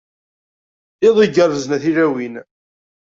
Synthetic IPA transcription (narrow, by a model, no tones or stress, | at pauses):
eðˤiɡəɾəznæθiɾæwin